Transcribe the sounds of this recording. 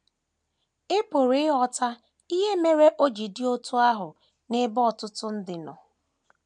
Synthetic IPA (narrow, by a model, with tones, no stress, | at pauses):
ɪ˦pʊ˨ɾi˦ɦɔ˨ta˦ | i˦ɦe˦me˦ɾe˦ʔo˦d͡ʒi˨dɪ˦o˦tʊ˦a˦ɦʊ˨ | nɪ˦bɔ˨tʊ˦tʊ˦n̩˦dɪ˨nɔ̰˨